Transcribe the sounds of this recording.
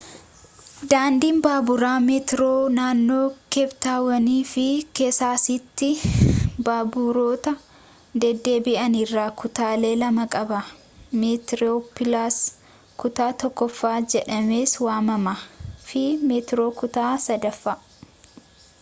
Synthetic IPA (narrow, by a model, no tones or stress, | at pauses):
d̪aːnd̪iːnbaːbʊɾaːmet̪ɪɾoːnaːnːo̞ːkɛbt̪aːwɐniːfɪkeːsaːsɪt̪ːɪ | baːbʊɾo̞ːt̪ɐ | d̪ɛd̪ːe̞ːbɪʔɐnɪrːaːkʊt̪aːle̞ːlɐmɐkʼɐbɐ | met̪ɪɾoːpɪlaːs | kʊt̪aːt̪ɔkːɔfːaːd͡ʒɛᶑɐmeːswaːmɐmɐfɪmɛt̪ɾo̞ːkʊt̪aːsɐd̪ɐfːaː